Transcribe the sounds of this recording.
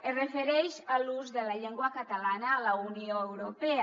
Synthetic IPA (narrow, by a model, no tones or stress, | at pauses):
erefeɾejʃaluzðelaʎeŋɡwakat̪alanaːlaunioewɾopea